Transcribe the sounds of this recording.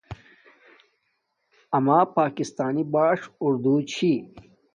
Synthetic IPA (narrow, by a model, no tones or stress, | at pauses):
ɐmaːpaːkist̪aːnibaːʂʊɾd̪ut͡ɕʰi